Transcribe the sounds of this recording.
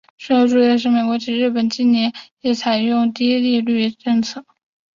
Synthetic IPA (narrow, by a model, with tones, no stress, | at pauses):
ʂ̩˥o˧˥ʊʈ͡ʂu˧i˥˩d̪ə˩ʂ̬ɻ̩˥˩me˨˩ɪkwɔ˧˥ʈ͡ʂi˨˩ɻɻ̩˥˩pə˨˩nt͡ɕi˥nnjɛ˧˥njɛ˧˥˩t͡sʰa˨˩ɪjʊ˥˧ŋt̪i˥i˥li˥˧ly˥˧ʈ͡ʂɤ˥˧ŋt͡sʰɤ˥˩